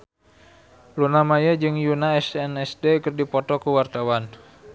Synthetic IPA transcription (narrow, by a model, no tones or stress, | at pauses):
lunamajad͡ʒɨŋjunaɛsɛnɛsdekɨrdipɔt̪ɔkuwart̪awan